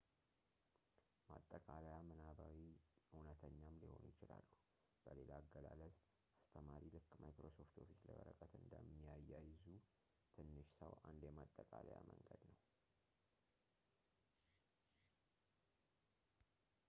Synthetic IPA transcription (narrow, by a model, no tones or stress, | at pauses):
mat̪ʼːəkʼalajamənabawiunət̪ʰəɲːamliho̞̰njɪt͡ʃɪlalːu | b̥əle̞laːɡːəlaləz | ast̪ʰəmaɾilɨkːmajkɾoso̞ft̪ʰo̞fislə̰βəɾəkʼət̪ɨnd̪əmːijajːajzu | t̪ʰɨnːɨʃsəwʔand̪jɛmat̪ʼːəkʼalajaməŋɡəd̪nəw